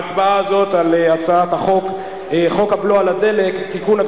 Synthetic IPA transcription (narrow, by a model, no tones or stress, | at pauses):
t͡sbaaːzo̞t̪aleat͡saat̪aχo̞k | χo̞khabloalade̞le̞kt̪ːikuna